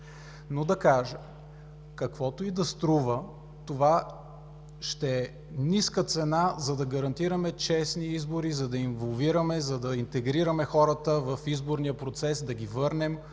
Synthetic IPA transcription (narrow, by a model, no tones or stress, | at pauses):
nod̪ɐkaʒə | kɐkvɔt̪oid̪ɐst̪ɾuvə | t̪ova | ʃt̪ɛɛ | niskət̪sɛnazɐd̪ɐɡɐɾɐnt̪iɾəmɛt͡ʃɛsniizboɾizɐd̪ɐinvolˠviɾəmɛzɐd̪ɐint̪ɛɡɾiɾəmɛxɔɾət̪əvɐfizboɾnijəpɾot̪sɛsd̪ɐɡʲivɤɾnɛm